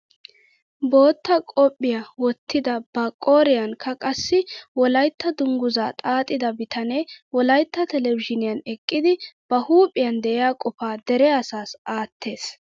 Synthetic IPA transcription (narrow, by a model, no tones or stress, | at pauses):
bo̞ːt̪ːɐkʼɔpʼːɪjɐwɔt̪ʰːɪd̪ɐb̥ɐkʼoːɾɪjɐnkʰɐkʼɐsːɪwɔlɐjt̪ːɐd̪ʊŋɡʊza̰ːt̪ʼaːt̪ʼːɪd̪ɐbɪt̪ʰɐnewɔlɐjt̪ːɐt̪ɛlɛvɪʃɪnɪjɐnɛkʼːɪd̪ɪb̥ɐhuːpʼːɪjɐnd̪ɛʔɛjaːkʼɔfaːd̪ɛɾɛɐsaːsaːt̪ːe̞ːs